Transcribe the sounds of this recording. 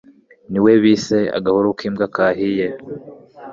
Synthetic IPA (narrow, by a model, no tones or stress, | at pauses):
niweβisea̰ɡahuɾukʰiːmɡakaɦije